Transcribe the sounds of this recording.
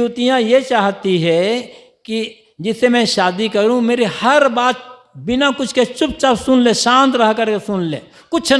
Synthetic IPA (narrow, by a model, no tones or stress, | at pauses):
ut̪ijãjet͡ʃaːɦt̪iɦɛ | ki | d͡ʒɪsemɛ̃ʃaːd̪ikɐɾũmeːɾehɐɾbaːt̪̚bɪnakʊt͡ʃʰket͡ʃʊp̚t͡ʃabsʊnlẽʃãːnt̪ɾəɦkəɾkesʊnlẽː | kʊt͡ʃʰ